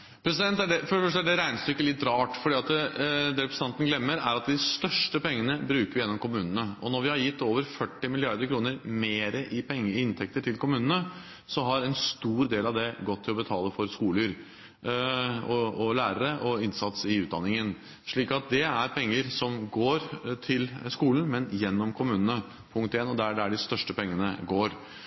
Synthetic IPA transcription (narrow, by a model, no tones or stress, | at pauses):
pʰɾɛsɪd̪ɛnt̪ːæɖɛfɔɖəfœʂʈəæɖɛɾæɪnəst̪ʏkːəlɪt̪ːɾɑːʈfɔɖiːɑt̪d̪ɛɾɛpɾəst̪ʰɛnt̪nɡlɛmːəɾæɾɑt̪̚d̪ɪst̪œʂʈəpɛŋːənəbɾʉːkəɾʋɪjɛnːɔmkʰʊmʉːnənəɔnɔɾʋɪhɑɾjɪt̪ːoːʋəɾfœʈːɪmɪlɪɑɾd̪əɾkʰɾuːnəɾmeːɾəʔɪpʰɛŋːəɪɪnt̪ʰɛk̚t̪əʈʰɪlkʰʊmʉːnənə | sɔɦɑɾɛnst̪uːɾd̪eːlɑʋd̪ɛɡɔt̪ʰːɪlɔbət̪ʰɑːləfɔɾskuːləɾ | ɔɔlæːɾəɾəʔɔɪnsɑt̪sɪʉːd̪ɑnːɪŋən | ʂɭiːkɑt̪̚d̪ɛæɾpʰɛŋːəɾsɔmɡoːɾt̪ʰɪlskuːln̩mɛnjɛnːɔmkʰʊmʉːnənə | pʰʊŋkt̪eːnɔd̪ææɖææɖɪst̪œʂʈəpʰɛŋːənə̰ɡoːɾ